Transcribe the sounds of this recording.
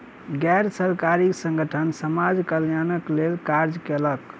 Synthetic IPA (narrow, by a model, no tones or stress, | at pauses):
ɡɛjɾsəɾkaɾiksə̃ŋɡʱəʈʰənsəmad͡ʒkəljanəklelkaɾd͡ʒkelək